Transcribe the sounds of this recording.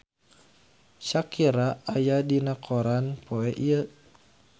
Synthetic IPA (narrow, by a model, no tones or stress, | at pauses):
ʃakiɾaajadinakʰoɾanpoɛʔiə